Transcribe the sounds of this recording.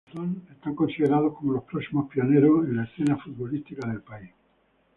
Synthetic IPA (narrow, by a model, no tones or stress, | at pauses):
t̪onest̪aŋkonsiðeɾað̞ohkomolopɾoksimopio̞neɾosenlaesθenafud̪̚βo̞list̪ikaðe̞lpais